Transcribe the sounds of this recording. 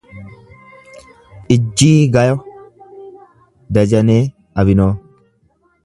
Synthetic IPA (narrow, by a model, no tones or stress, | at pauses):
ʔɪd͡ʒːiːɡɐjɔ | d̪ɐd͡ʒɐneː | ɐbɪnoː